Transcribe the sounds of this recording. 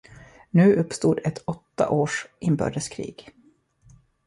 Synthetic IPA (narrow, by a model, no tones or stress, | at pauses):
nʉ̟ːʔɵpːst̪uːd̪ɛt̪ʰɔt̪ːa̰ʔoːʂʔɪnbœ̰ːɖəskʰɾḭːɡ̥